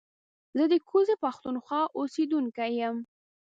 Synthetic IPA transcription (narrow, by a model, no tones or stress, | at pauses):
zəd̪əkʰozepaxt̪unxwɑʔosed̪uŋkajəm